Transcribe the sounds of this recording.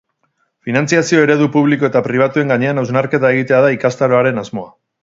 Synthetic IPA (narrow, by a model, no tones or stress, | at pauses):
finant͡siasio̞e̞ɾe̞ðupuβ̞liko̞e̞t̪apɾiβ̞at̪ue̞ŋɡaɲe̞anawznaɾke̞t̪ae̞ɣ̞it̪e̞aðaikast̪aɾo̞aɾe̞nazmo̞a